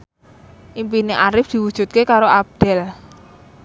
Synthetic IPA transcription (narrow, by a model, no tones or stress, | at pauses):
ʔimpineʔaɾɪfd̪̥i̤wud̥ʒ̥ṳt̪̚kekaɾoab̚d̪̥ɛ̤l